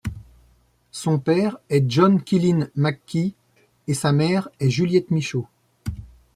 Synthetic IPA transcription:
sɔ̃pɛʁɛʒɔnkʲilinmakʲːi | esamɛʁɛʒyljɛt̪miʃo

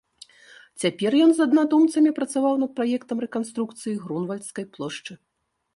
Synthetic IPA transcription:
t͡sʲapʲɛrjɔnzɐd̪nad̪umt̪sɐmʲipɾɐt̪savawnɐt̪̚pɾajɛkt̪ɐmrɛkanst̪ɾukt̪sɨjiɣɾunvɐlʲt̪skɐjplˠɔʂt͡ʂɨ

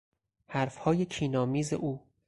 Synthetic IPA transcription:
hæɾfhɒːjecʰiːnɒːmiːzḛʔuː

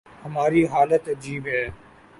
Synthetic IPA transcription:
hɐmaːɾiɦaːlət̪ɐd͡ʒiːbɦɛː

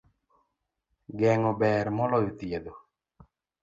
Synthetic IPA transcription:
ɡɛŋɔbɛɾmɔlɔjot̪jed̪o

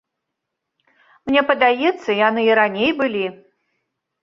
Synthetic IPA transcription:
mnʲɛpɐd̪ajɛt̪sːɐijanɨiɾanʲejbɨlʲi

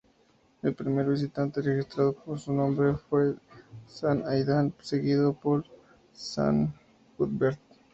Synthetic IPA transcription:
elpɾimieɾbisit̪ːãnt̪eɾeɡist̪ɾad̪posunɔmbɾefɔesanajd̪ʱansekid̪opol | sa̰n | ɡud̪beɾt̪

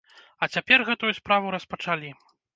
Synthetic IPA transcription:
ɐt͡sʲapʲɛrɣɛt̪ujuspɾavuɾɐspɐt͡ʂalʲi

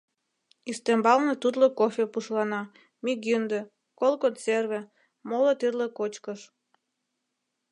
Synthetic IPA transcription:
ist̪embɑlnet̪ud̪lokofʲepuʃlɑnɑ | miɡynd̪ĕ | kolˠkonserβĕ | molet̪irlekot͡ɕkəʃ

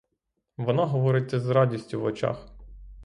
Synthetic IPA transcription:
ʋɔnɑɦɔʋɔɾɪt͡sʲːɐzɾɑdʲisʲtʲʊʋɔt͡ʃa̰x

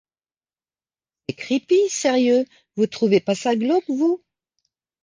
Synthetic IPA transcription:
ekχipisɛʁjø | vut̪χuvepasaɡlɔkvu

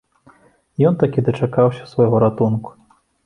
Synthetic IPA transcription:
jɔnt̪akʲid̪ɐt͡ʂakawsʲɐ̥svajɣɔɾat̪unku̥

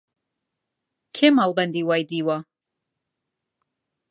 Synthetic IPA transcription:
kʰɛmalˠbɛnd̪iwajd̪iwa

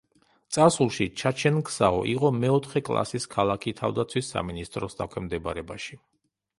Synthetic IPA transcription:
t̪sʼaɾsulˠʃit͡ʃʰat͡ʃʰɛnkʰsaɔ̰ʔiqʼɔmɛɔt̪ʰχɛkʼlˠa̰siskʰalˠakʰit̪ʰa̰vd̪at̪sʰwisːa̰minist̪ʼɾɔsd̪akʰwɛmd̪ɛbaɾɛbaʃi

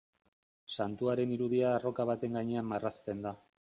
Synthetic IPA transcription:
sant̪uaɾe̞niɾuðiaːro̞kaβ̞at̪e̞ŋɡaɲe̞amːarast̪e̞nd̪a

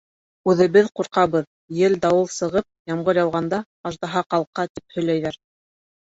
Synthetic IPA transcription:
ʉðɘ̆βɘðquɾqɑβɤð | jɘld̪ɑwɤlˠsɤ̆ʁɤp̚jɑmʁɤɾjɑlˠʁɑnd̪ɑ | ɑʒd̪ɑɦɑqɑlˠqɑt̪ip̚hɵ̆jlæjðæɾ

